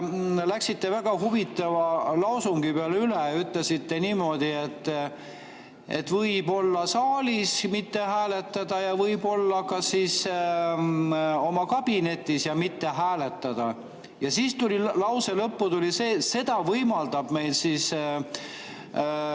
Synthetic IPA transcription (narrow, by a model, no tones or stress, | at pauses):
læksit̪ːe̞væɡ̥ɑɦuvit̪ːˑɑvɑlɑwsuŋɡ̥ipeɑlyleyt̪lesit̪ːe̞niːmo̞d̪̥ie̞t̪ːˑ | e̞̰t̪ːvɤjbo̞lːɑsɑːlʲismit̪ːe̞hæːle̞t̪ːˑɑd̪̥ɑjɑvɤjbo̞lːɑkɑsis | o̞mɑkɑb̥ine̞t̪ːˑisjɑmit̪ːe̞ɦæːle̞t̪ːˑɑd̪̥ɑ | jɑsiːst̪ulilɑwse̞lɤpːut̪ulʲiseːse̞d̪̥ɑvɤjmɑld̪̥ɑb̥me̞jlsis